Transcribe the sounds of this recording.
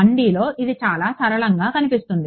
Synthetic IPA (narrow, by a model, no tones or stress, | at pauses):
ɐɳɖiːlo̞ːʔid̪it͡ʃaːlaːsɐɾɐɭɐŋɡaːkɐnipist̪und̪i